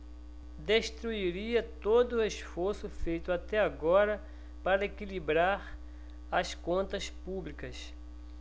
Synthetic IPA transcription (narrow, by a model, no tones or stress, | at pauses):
d̪eʃt̪ɾuiɾiɐt̪od̪ʊʊeʃfoɾsʊfejt̪ʊat̪ɛaɡɔɾɐ | paɾɐekilibɾaɾ | ɐskõnt̪ɐspublikɐs